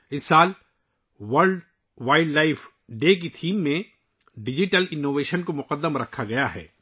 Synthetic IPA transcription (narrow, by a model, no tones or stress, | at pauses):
ɪsːaːl | ʋɐɾɖ | ʋaːɪɖlaːɪf | ɖeːk̬it̪ʰiːmːẽ | ɖɪd͡ʒɪʈəlɪnːoːʋeːʃənkomʊqəd̪ːəmɾɐkʰːaɡɐjaɦɛ̰ː